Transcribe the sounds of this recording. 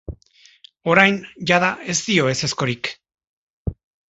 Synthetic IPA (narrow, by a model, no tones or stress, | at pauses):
o̞ɾajnʝaðaʔe̞zt̪io̞e̞se̞sko̞ɾik